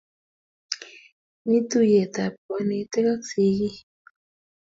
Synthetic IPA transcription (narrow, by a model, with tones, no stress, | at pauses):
ni˦t̪u˦je˨t̪a˨pwa˨ni˨t̪e˦ka˦ksi˨ji˦